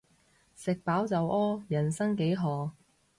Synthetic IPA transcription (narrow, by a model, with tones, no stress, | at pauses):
sɪ˨k̚paː˨˥wt͡sɐ˨wʔɔː˥jɐ˨˩nsɐ˥ŋke˨˥jɦɔː˨˩